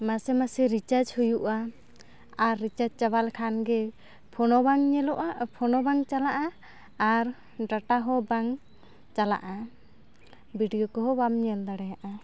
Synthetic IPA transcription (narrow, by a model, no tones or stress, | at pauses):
masɛmasɛɾit͡ʃad͡ʒhujuʔaː | ɾːit͡ʃad͡ʒ̚t͡ʃaβalkʰanɡɛ | pʰɔnɔbaŋɲɛlɔʔapʰɔnɔbaŋt͡ʃalaʔaː | ɾ | ɖaʈaɦɔbaŋ | t͡ʃala̰ʔa | biɖijɔkɔɦɔwamɲɛld̪aɽɛjaʔa